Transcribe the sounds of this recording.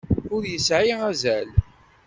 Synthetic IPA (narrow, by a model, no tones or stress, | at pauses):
ʊɾjəsʕiæzæl